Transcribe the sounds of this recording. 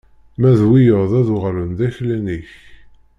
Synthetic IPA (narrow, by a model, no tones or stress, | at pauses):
mæðwijəʁðæðuʁlənðæçlæniç